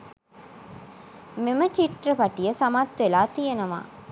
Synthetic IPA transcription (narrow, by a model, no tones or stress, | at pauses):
memɐt͡ʃiʈrɐpɐʈijɐsɐmaːt̪ʋelaːt̪ijenɐʋa̰ː